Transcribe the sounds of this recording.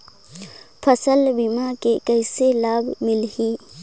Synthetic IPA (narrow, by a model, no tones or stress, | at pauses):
pʰəsəlbimakekəjselaːbmɪlhiː